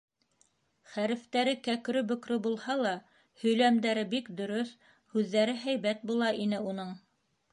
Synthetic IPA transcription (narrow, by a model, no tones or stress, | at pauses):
χæɾɘ̆ft̪æɾɘkækɾɵbɵ̆kɾɵbulˠhɑlˠɑ | hɵ̆jlæmd̪æɾɘbikd̪ɵ̆ɾɵθ | hʉðːæɾɘɦæjβæt̪̚bulˠɑʔinɘunɤɴ